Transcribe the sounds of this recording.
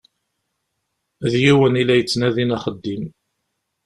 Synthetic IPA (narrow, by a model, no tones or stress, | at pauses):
ðjiwənilæjət͡sːnæðinæχəd̪ːim